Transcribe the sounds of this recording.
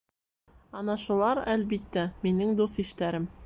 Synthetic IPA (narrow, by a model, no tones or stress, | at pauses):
ɑnɑʃulˠɑɾælbit̪ːæminɘŋd̪ufiʃt̪æɾɘm